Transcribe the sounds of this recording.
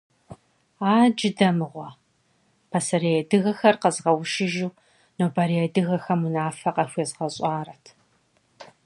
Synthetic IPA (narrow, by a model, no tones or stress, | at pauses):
aːd͡ʒɪdɐmɨʁʷɔ | pʰɐsɐɾejɛdɨɣɐxɐrqɐzʁɐwʊʃɪʒuː | noːbɐɾeɛdɨɣɐxɐmunaːfɐqɐxʷeːzʁɐɕʼɑːɾɐtʰ